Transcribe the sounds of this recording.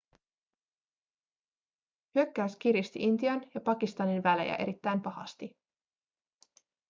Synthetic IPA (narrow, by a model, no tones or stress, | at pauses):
hyøkːæːsk̟iɾist̪ḭʔint̪iɑnjɑpɑkist̪ɑninʋælḛjæ̰ʔe̞̰ɾit̪ːæjmpɑhɑ̰st̪i